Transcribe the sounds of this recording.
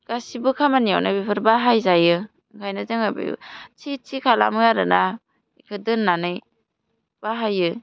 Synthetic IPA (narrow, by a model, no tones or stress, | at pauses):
ɡ̥asibɯkʰamanijawnabipʰɯɾbaɦajzajɯ | kʰajnazɯŋabɯ̰j̰t͡ʃʰit͡ʃʰikʰala̰mɯaɾɯ̰na | ikʰɯdɯnːanɯj | b̥aɦajɯ